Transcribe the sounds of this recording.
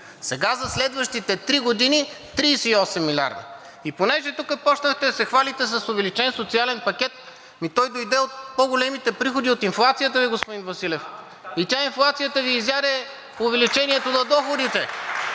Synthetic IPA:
sɛɡazɐslɛd̪vəʃt̪it̪ɛt̪ɾiɡod̪init̪ɾiːsɛːɔsɛmːilʲa̰ɾd̪ə̰ | iponɛʒɛt̪utkəpɔʃt̪əxt̪ɛsɛxvalit̪ɛs̬ɐsovɛlit͡ʃɛnsot̪sialɛnpɐkʲɛt̪̚ | mit̪ɔjd̪ojd̪ɛot̪̚poɡolɛmit̪ɛpɾixod̪iot̪inflˠat̪sijət̪əviɡospod̪invɐsilɛf | it̪ʲainflˠat̪sijət̪əviːzjaɾɛ | poːvɛlit͡ʃɛniɛt̪onɐd̪ɔxod̪it̪ɛ

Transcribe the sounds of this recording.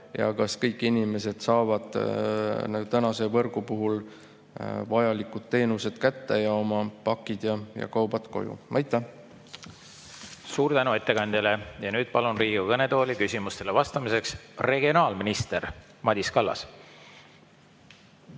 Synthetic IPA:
jɑ̰kɑskɤjkːˑinime̞se̞d̪̥sɑːvɑd̪̥ | nt̪ænɑse̞vɤrɡ̥upuɦul | vɑjɑlikːˑud̪̥t̪ːe̞ːnuse̞d̪̥kæt̪ːe̞jɑomɑpɑkːˑid̪̥jɑjɑ̰kɑwbɑt̪ko̞̰jṵmɑjt̪ːˑe | suːɾt̪ænue̞t̪ːe̞kɑnʲd̪̥ʲɑle̞jɑnyːd̪̥̚pɑlunriːɡukɤne̞d̪o̞ːlʲikysʲimust̪e̞levɑst̪ɑmise̞ksre̞ɡionɑːlminist̪e̞r | mɑd̪iskɑlːɑ̰s

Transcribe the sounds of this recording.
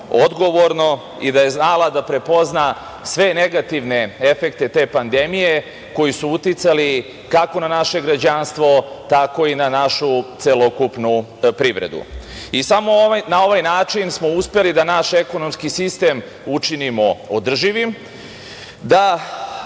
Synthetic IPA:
od̪ɡo̞ʋoɾno̞ | id̪aje̞znalad̪apɾe̞po̞zna | sʋe̞ne̞ɡat̪iʋne̞e̞fe̞kt̪e̞t̪e̞ːpand̪e̞mije̞ | ko̞jisuut̪it̪sali | kako̞nanaʃe̞ɡɾad͡ʑanst̪ʋo̞t̪ako̞inanaʃut̪selokupnu | pɾiʋɾḛd̪ṵisamonao̞ʋajnaːt͡ʂinsmo̞uspe̞lid̪anaʃe̞ko̞no̞mskisist̪e̞ːm | ut͡ʃinimo̞od̪r̩ʒiʋim | d̪a

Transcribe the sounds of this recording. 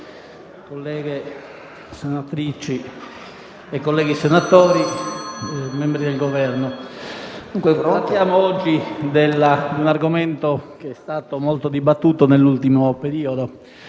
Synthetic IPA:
kolːɛːɡe | senat̪ɾit͡ʃi | ekːolːɛːɡisenat̪oːɾi | membɾid̪elɡovɛrno | d̪uŋkwekaɾt̪ːjaːmoɔd͡ʒːid̪elːad̪iunarɡoment̪okeɛst̪aːt̪omolt̪od̪ibat̪ːuːt̪onelːult̪imopeɾiːod̪o

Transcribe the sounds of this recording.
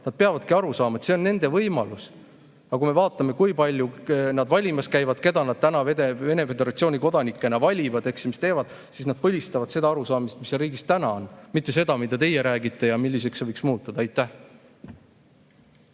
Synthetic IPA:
nɑd̪̥̚pe̞ɑvɑd̪̚kiɑɾusɑːmɑet̪se̞o̞nːe̞nd̪̥e̞vɤjmɑlus | ɑkume̞vɑːt̪ˑːɑme̞kujpɑlʲjunɑd̪vɑlʲimɑskæjvɑd̪̥ke̞d̪ɑnɑd̪̥̚t̪ænɑveeve̞ne̞fe̞d̪e̞ɾɑt̪sio̞ːnʲiko̞d̪̥ɑnikːˑe̞nɑvɑlʲivɑd̪e̞ksjumist̪e̞ːvɑd̪̥ | sisnɑd̪̥̚pɤlʲist̪ɑvɑd̪se̞d̪ɑɑɾusɑːmist̪misːeɾiːɡist̪ænɑonmit̪ːˑe̞s̬e̞d̪̥ɑmid̪ɑt̪eje̞ɾæːɡit̪ˑːe̞jɑmilːis̬e̞ksevɤjksmuːt̪ːˑud̪ɑɑjt̪ːˑæh

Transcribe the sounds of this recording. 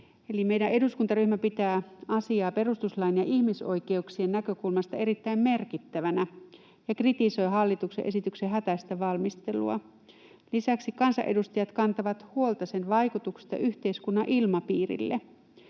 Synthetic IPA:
elimejɾæʔʔeduskunt̪ɑryhmæpit̪æːɑsiɑːpe̞rust̪uslɑjnjɑʔihmiso̞jke̞uksie̞nːækø̞kulmɑst̪ɑe̞ɾit̪ːæimme̞rkit̪ːæʋænæ | jɑkrit̪iso̞jɦɑlːit̪uksḛʔe̞sit̪ykseɦæt̪æst̪æʋɑlmist̪e̞lṵɑ̰ | lisæksikɑnsɑʔe̞dust̪ɑjɑt̪kɑnt̪ɑʋɑt̪huo̞lt̪ɑse̞nʋɑjkut̪uksi̥st̪ɑ̰ʔyht̪eiskunːɑʔilmɑpiːrḭlːe

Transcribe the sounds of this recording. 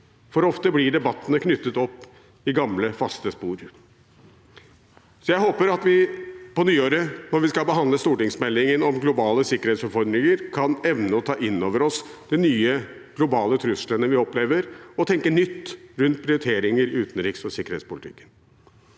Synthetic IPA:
fɔɾɔft̪əblɪɖɛbɑt̪ːənəkʰnʏt̪ːət̪ɔpː | ɪɡɑmləfɑst̪əspuːɾ | sɔjæɪhoːpəɾɑt̪ʋɪpɔnyːoːɾənɔɾʋɪskɑlbəɦɑnd̪ləst̪uːʈɪŋsmɛlːɪŋənɔmɡlʊbɑːləsɪkːəɾeːt̪sœlfɔɾdɾɪŋəɾkʰɑnɛʋnəɔt̪ʰɑːʔɪnːoːʋəɾɔs | d̪̥ɛnyːə | ɡ̥lʊbɑːlət̪ʰɾʉslənəʋɪɔpleːʋəɾɔt̪ʰɛŋkənʏt̪ːɾʉnt̪̚pʰɾɪʊɾɪt̪ʰeːɾɪŋəɾʉːt̪n̩ɾɪksfɔsɪkəɾheːt̪spʊlɪt̪ʰɪ̰kːə̥n

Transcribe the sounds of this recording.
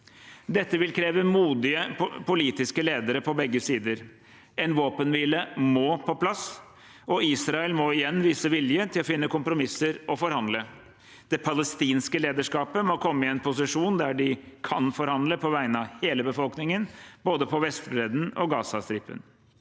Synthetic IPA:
d̪ɛt̪ːəʋɪlkʰɾeːʋəmuːd̪ɪəpʰʊliːt̪ɪskəleːd̪əɾəpʰɔbɛɡːəsiːd̪əɾ | ɛnʋoːpənʋiːləmɔpʰɔpʰlɑs | ɔiːsɾɑəlmɔɪjɛnːʋiːsəʋɪljət̪ʰɪlɔfɪnːəkʊmpɾʊmɪsːəɾɔfɔɾhɑnd̪lə | d̪̥ɛpʰɑləst̪iːnskəleːd̪əʂkɑːpəmɔkʰɔmːəɪɛnpʰʊsɪʂuːnd̪æɖɪkʰɑnfɔɾhɑnd̪ləpʰɔʋæɪənəɑʋheːləbəfɔlknɪŋənboːd̪əpʰɔʋɛst̪bɾeːd̪n̩ɔ̰ɡɑːsɑst̪ɾɪpːə̰n

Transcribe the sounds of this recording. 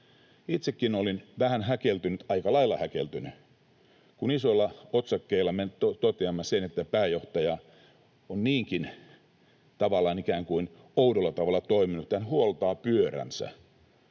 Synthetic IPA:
it̪sekːinolinʋæhænhækelt̪ynyt̪ɑikɑlɑilːɑhækḛlt̪yny | kunisolːɑot̪sɑkːeilːˑɑment̪ot̪ot̪eɑmːɑsenet̪ːæpæːjoht̪ɑjɑ | onniːŋkin | t̪ɑʋɑlːˑɑːnikæːŋkuin | oudolːɑt̪ɑʋɑlːˑɑt̪oiminut̪ːˑænhuolt̪ɑːpyøræ̰nsæ̰

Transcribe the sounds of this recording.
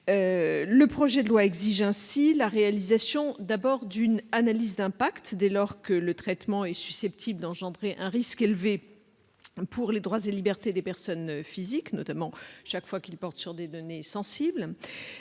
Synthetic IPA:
øləpχɔʒɛd̪əlwaɛɡziʒɛ̃silaʁealizasjɔ̃d̪abɔʁd̪ynanalizd̪ɛ̃pakt̪d̪elɔʁkələt̪χɛt̪mɑ̃ɛsy̥sɛpt̪ʰibləd̪ɑ̃ʒɑ̃d̪ʁeʔɛ̃ʁiskelve | puʁled̪ʁwazelibɛʁt̪ed̪epɛʁsɔnfiziknɔt̪amɑ̃ʃakfwakilpɔʁt̪syʁd̪ed̪ɔnesɑ̃sibl

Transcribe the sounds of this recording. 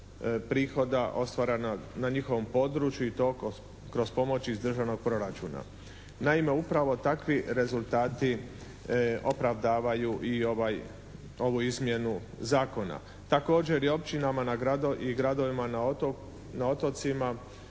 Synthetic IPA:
pɾiːxo̞d̪aʔo̞st̪ʋaɾananaɲixo̞ʋo̞mpo̞d̪ɾut͡ʃjuit̪o̞ː | kɾo̞zpo̞mo̞t͡ɕizd̪r̩ʒaʋno̞ɡ̥̚pɾo̞ɾat͡ʃuːna̰ | naime̞upɾaʋo̞t̪akʋiɾe̞zulˠt̪aːt̪i | o̞pɾaʋd̪aːʋajuʔioʋaj | o̞ʋuizmje̞nu | zaːko̞na̰ | t̪ako̞ːd͡ʑe̞ɾio̞p̚t͡ʃinamanaɡɾad̪oiɡɾad̪o̞ʋimana | nao̞t̪o̞t̪sima

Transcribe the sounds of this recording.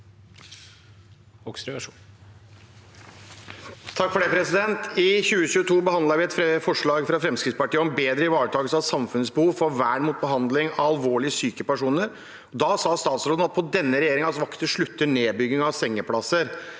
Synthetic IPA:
ɔksɾɪ | t̪ʰɑkːfɔɖɛpʰɾɛsɪd̪ɛnt̪ɪçʉːəɕʉːət̪ʰuːbəhɑnd̪lɑɾʋɪɛt̪fɛfɔʂɭɑːɡfɾɑfɾɛmskɾɪt̪spɑʈiːəɔmbeːd̪ɾəɪʋɑːɾəʈ̪ʰɑːɡəlsəɑʋsɑmfʉnəsbəhuːʋfɔɾʋæːɳmuːt̪̚bəɦɑnd̪lɪŋɑɑlʋoːɭɪəsyːkəpæʂuːnəɾ | ɔd̪ɑsɑːst̪ɑːt̪sɾoːd̪n̩ɑt̪̚pʰɔd̪ɛnːəɾɛjeːɾɪŋɑt̪ʋɑkt̪əʂɭʉt̪ːəɳeːbʏɡːɪŋɑʋsɛŋːəpʰɽɑsəɾ

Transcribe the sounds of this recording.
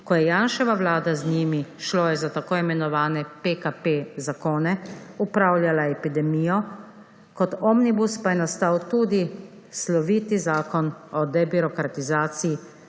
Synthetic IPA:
kɔjɛjaːnʃɛʋaʋlaːd̪azniːmiʃloːjɛzat̪akoːimɛnɔʋaːnɛpekapezakoːnɛupɾaːwlʲjalaɛpid̪ɛmiːjɔ | kɔt̪ɔmnibuspajɛnast̪awt̪uːd̪i | slɔʋiːt̪izaːkɔnɔd̪ɛbiɾɔkɾat̪izaːt̪siji

